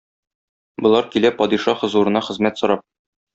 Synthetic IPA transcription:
bɤ̆lˠɑɾkilæpɒd̪iʃɑχɤ̆zuɾɤ̆nɑχɘ̆zmæt̪sɤ̆ɾɑp̚

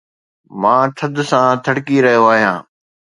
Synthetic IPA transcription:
mãːt̪ʰəd̪ʱsãːt̪ʰəɽkiɾɐɦijoaːɦijãː

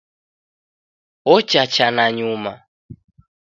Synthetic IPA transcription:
ɔt͡ʃat͡ʃanaɲuma

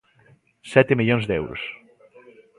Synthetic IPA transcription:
sɛt̪emiʎonzd̪ɛwɾʊ̰s

